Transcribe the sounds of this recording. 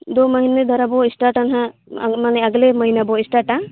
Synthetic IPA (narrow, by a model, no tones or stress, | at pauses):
d̪omɐɦined̪ʱɔɾabɔisʈaɾʈanɦãmaneɐɡlemɐɦinabɔisʈaʈa